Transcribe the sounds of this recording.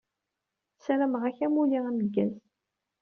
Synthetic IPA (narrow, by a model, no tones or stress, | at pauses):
sɾæmʁæçæmuliʁænəɡːæz